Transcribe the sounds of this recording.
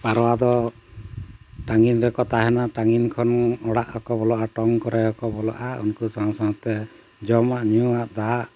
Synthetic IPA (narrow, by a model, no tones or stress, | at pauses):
paɾɔwad̪ɔ | ʈaŋinɾɛkɔt̪aɦɛnaʈaŋinkʰɔnɔɽaʔɔkɔbɔlɔʔaʈɔŋkɔɾɛɔkɔbɔlɔ̰ʔaṵnkusãsaɦɔt̪ɛ | d͡ʒɔmaʔɲuaʔd̪aʔ